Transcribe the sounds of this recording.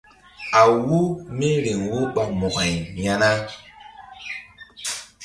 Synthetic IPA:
a˨wu˦me˦ɾi˨ŋwu˦ɓa˨mɔ˨ka˨jja˦na˦

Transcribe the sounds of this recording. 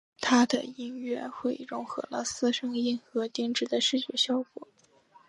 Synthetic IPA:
t̪ʰa˥d̪ə̰˨˩i˥nɥɛ˥˧˩xwe˥˩ɪɻʊ˧˥ŋxɤ˧˥lə̰˧sɹ̩˥ʂɤ˥ŋi˥˩nxɤ˧˥t̪i˥ŋʈ͡ʂɻ̩˥˩d̪ə˨ʂɻ̩˥˧t͡ɕɥɛ˥˩ɕjɑ˥ʊkwɔ̰˨˩˦

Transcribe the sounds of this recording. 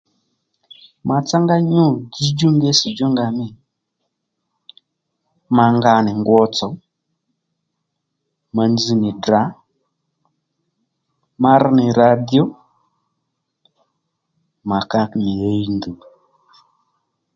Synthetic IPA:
ma˨t͡sa˦ŋɡa˦ɲu˦ɡi˦d͡ʒu˦ŋɡe˦si˨d͡ʒo˦ŋɡa˧mɪ˦˨ | ma˧ŋɡa˧nɪ˨ŋɡwɔ˧˦t͡sɔ˨˦ | ma˨nd͡zi˨˧nɪ˨da˨˦ | ma˧ɾnɪ˨ɾa˨di˦o˦ | ma˨ka˧kmi˨je˦i˦ndu˨

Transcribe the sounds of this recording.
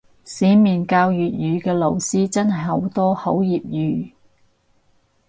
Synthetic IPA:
siː˨˥miː˨˩nkaː˧wjyː˨t̚jyː˨˧kɛː˧lo˨˧wsiː˥t͡sɐ˥nɦɐ˨˩jho˨˥wt̪ɔː˥ho˨˥wjiː˨p̚jyː˨˩

